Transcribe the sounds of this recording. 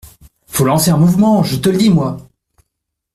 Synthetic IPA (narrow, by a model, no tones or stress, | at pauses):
folɑ̃seɛ̃muvmɑ̃ʒət̪ələd̪imwa